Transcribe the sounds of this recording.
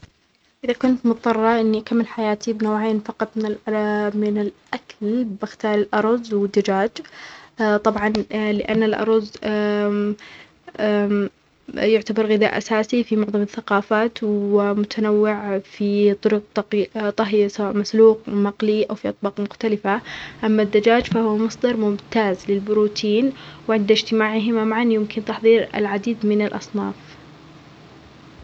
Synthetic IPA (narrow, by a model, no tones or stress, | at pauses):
ʔɪðakʊnt̪mʊt̪t̪ˤːɑrˤːɑʔɪnːikamːɪlħajaːt̪ʰibnoːʕeːnfɑqɑt̪ˤmɪnɪlmɪnɪlʔakallbɪxt̪ɑːɾˤɪlʔɑɾˤɑzwɪd̪ːad͡ʒaːd͡ʒ | t̪ˤɑbʕɑnlɪʔa̰nːalʔɑ̰ɾˤɑz | jʊʕt̪abɑɾˤɣɪða̰ːʔasaːsifimʊʕðˤɑmɪθːaqɑːfaːt̪wɪmʊt̪ʰanawːɪʕfit̪ˤʊɾʊq̚t̪ˤt̪ˤɑɦjasawaːʔmasluːqmaqliʔawfiʔɑt̪̚ˤbɑːqmʊxt̪alɪfaʔamːad̪ːad͡ʒaːd͡ʒfahʊwamɑsˤd̪ɑɾˤmʊmt̪aːzlɪlbʊɾuːt̪ʰiːnwʕɪnd̪ɪd͡ʒt̪ɪmaːʕɪɦɪmamaʕanjɪmkɪnt̪ɑħðˤiːɾɪ̰lʕad̪iːd̪mɪnalʔɑ̰sˤnɑːf